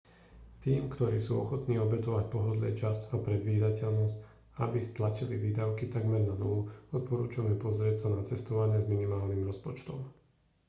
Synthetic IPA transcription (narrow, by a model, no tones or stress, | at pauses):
t̪iːmkt̪ɔɾiːsṵːɔxɔt̪niːɔbɛt̪ɔʋac̚pɔɦɔd̪lɛ̰ːt͡ʃascɔpɾɛd̪ʋiːd̪acɛʎnɔsc | a̰bist̪lat͡ʃiliʋiːd̪aʊkit̪aɡmɛɾnanɔluɔt̪̚pɔɾuːt͡ʃamɛpɔzɾɪɛcsanat͡sɛst̪ɔʋaɲɪɛzminimaːlnimɾɔspɔt͡ʃt̪ɔ̰m